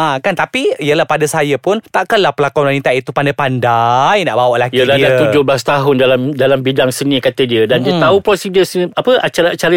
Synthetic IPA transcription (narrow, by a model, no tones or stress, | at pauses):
akant̪apiiəlahpadasajəpʊnt̪aʔkanlahpəlakanwanĩt̪aʔit̪upandapandajnaʔbawaʔlakijiəlaat̪ud͡ʒʊhblast̪aɦʊndalamdalambidaŋsənĩkat̪ədiədandiət̪aupɾosidəsəapəʔat͡ʃaɾaat͡ʃaɾə